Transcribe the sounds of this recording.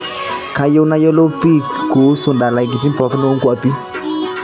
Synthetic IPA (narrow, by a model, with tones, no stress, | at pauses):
ka˨jo˦wna˦jɔ˦lo˦pi˦˨kɡu˨˦su˨nda˨la˨ɡi˨ti˦pɔ˨kno˦ŋɡwa˨˦pi˦